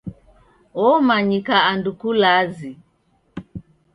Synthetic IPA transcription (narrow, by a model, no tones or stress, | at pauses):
ɔmaɲikaːndukulazi